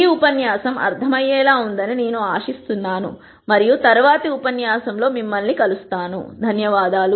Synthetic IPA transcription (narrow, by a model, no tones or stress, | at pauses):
iupɐnjaːsɐmɐ̰ɾt̪ʰɐmɐjɛːlaːund̪ɐnine̞ːnuaːʂist̪unːaːnṵ | mɐɾijut̪ɐɾuʋaːt̪ɐupɐnjaːsɐmlo̞ːmimːɐlnikɐlust̪aːnṵd̪ʱɐnjɐʋaːd̪aːlu